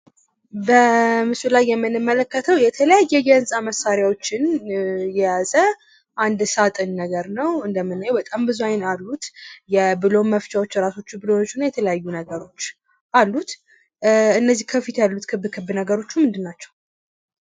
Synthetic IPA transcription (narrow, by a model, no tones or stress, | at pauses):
bəmɨsulajːɛmːɨnɨmːələkːət̪ʰəwjɛt̪ʰələjajːɛɡənsʼaməsaɾjawo̞t͡ʃːɪnjɛjazə | ʔand̪sat̪ʼɨnːəɡəɾnəwɨnd̪əmːɨnːajːɛwbət̪ʼambɨzuajɪnalːut̪jɛbɨlo̞məft͡ʃʼawo̞t͡ʃːɾaso̞t͡ʃːubɨlo̞nt͡ʃːunajɛt̪ʰələjajːunəɡəɾo̞t͡ʃː | ʔalːut̪ | ɨnːəzːihkʰəfit̪ʰjalːut̪kʰɨbkʰɨbnəɡəɾo̞t͡ʃːumɨnd̪ɨnːat͡ʃːɛw